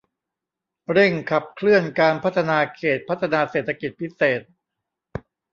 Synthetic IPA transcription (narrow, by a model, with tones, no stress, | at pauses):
ɾe˥˩ŋkʰa˨˩p̚kʰlɯ˥˩ənkaː˧npʰa˦˥t̪ʰːa˧naː˧kʰeː˨˩t̪̚pʰa˦˥t̪ʰːa˧naː˧seː˨˩t̪ʰːa˧ki˨˩t̪̚pʰi˦˥seː˨˩t̪̚